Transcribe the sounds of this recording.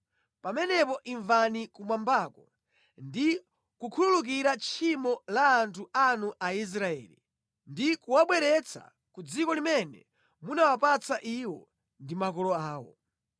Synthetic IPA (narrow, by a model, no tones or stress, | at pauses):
pamɛnɛpɔʔiɱvanikumwambaːkɔ | ndi | kukʰululuk̬iɾat͡ʃʰimɔlaːntʰuanuʔais̬ɾaɛ̰ːlḭ | ndikuwaɓwɛɾɛt͡sa̰ | kud͡zikɔlimɛnɛ̰ | munawapat͡saʔiwɔ̰ | ndimakɔlɔaːwɔ̰